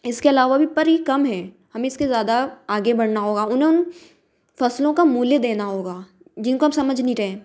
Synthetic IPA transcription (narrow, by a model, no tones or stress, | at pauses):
ɪskeɐlaːʋabʱipɐɾikɐmɦɛː | hɐmeɪskezjaːd̪aaːɡebɐɽ̤naɦoːɡaʊnɦẽʊn | fɐslõkamuːljed̪eːnaɦoːɡaː | d͡ʒɪnkoɦɐmsɐməd͡ʒʱniɾɐɦẽː